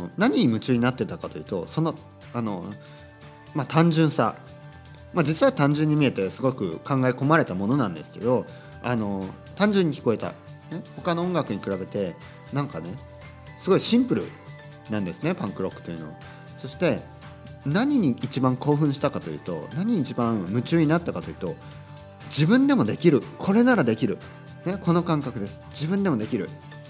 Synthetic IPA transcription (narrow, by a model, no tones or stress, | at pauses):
naɲ̟iɲ̟imɯ̟t͡ɕɨːɲ̟inat̪ːe̞t̪akat̪o̞jiɯ̟ːt̪o̞̰so̞no̞ | ano̞ | mat̪ãɲ̟d͡ʑɨ̃ɰ̃sa̰ | mad͡ʑit͡sɨβit̪ãɲ̟d͡ʑɨ̃ɲ̟ːimʲie̞t̪e̞sɨɡo̞kɯ̟̰kãŋɡaiko̞maɾe̞t̪amo̞no̞nãnd̪e̞sɨ̥ke̞̰d̪o̞ | ano̞ | t̪ãɲ̟d͡ʑɨ̃ɲ̟ːikʲi̥ko̞et̪a̰ | ne̞ho̞kano̞õŋɡakɯ̟ɲ̟ikɯ̟ɾabe̞t̪e̞ | nãŋkane̞ | sɨɡo̞iɕĩmpɯ̟ɾɯ̟̰ | nãnd̪e̞sɨne̞pãŋkɯ̟ɾo̞kːɯ̥t̪ːeiɯ̟no̞a̰ | so̞ɕi̥t̪e̞ | naɲ̟iɲ̟iːt͡ɕibãŋko̞ːɸɯ̟̃ɰ̃ɕi̥t̪akat̪o̞iɯ̟ːt̪o̞̰naɲ̟iːt͡ɕibãɰmɯ̟t͡ɕɨːɲ̟inat̪ːakat̪oiɯ̟ːt̪o̞ | d͡ʑibɯ̟̃nd̪e̞mo̞d̪e̞kʲiɾɯ̟kʰo̞ɾe̞naɾad̪e̞kʲiɾɯ̟ | ne̞ko̞no̞kãŋkakɯ̟d̪e̞sɨ̥d͡ʑibɯ̟̃nd̪e̞mo̞d̪e̞kʲiɾɯ̟̰